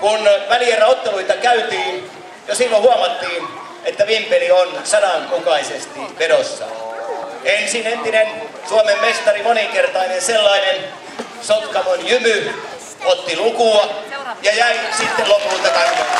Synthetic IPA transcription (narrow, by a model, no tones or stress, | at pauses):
kunʋælierːɑot̪ːeluit̪ɑkæyt̪iːn | josilːohuɑmɑt̪ːiːn | et̪ːæʋimpelionsɑnɑŋkukɑisest̪iʋeɾosːɑ̰ | ensinent̪inen | suɑmemːest̪ɑrimoniŋkert̪ɑinenselːɑinen | sot̪kɑmonjymy | ot̪ːilukuɑjɑjæisit̪ːellopːult̪ɑkɑn